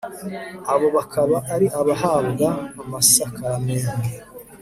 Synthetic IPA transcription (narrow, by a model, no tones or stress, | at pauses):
aβo̞βakʰaβaʔːɾiʔaβaɦaːbɡaːmasakameːŋɡe